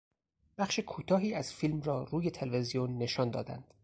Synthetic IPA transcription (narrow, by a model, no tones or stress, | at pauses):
b̥æχʃekʰuːt̪ʰɒːɦiːæz̥fiːlmrɒːruːje̞t̪ʰe̞lve̞zijonːe̞ʃɒːnd̪ɒ̰ːd̪æ̰nd̪̥